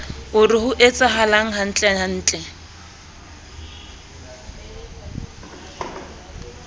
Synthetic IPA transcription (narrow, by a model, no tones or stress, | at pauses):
ʊrɪɦʊʔet͡sʼaɦalaŋ̩ɦan̩t͡ɬʼɛhan̩ːt͡ɬʼɛ